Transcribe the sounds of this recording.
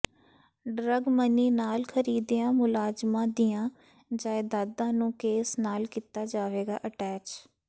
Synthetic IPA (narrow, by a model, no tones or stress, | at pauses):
ɖɾəɡməniːnaːlkʰəɾiːd̪ijãːmʊlaːzmãːd̪ijãː | d͡ʒaːeːd̪aːd̪ãːnũːkeːsnaːlkiːt̪aːd͡ʒaːʋeːɡa̰ːʔəʈɛːt͡ʃ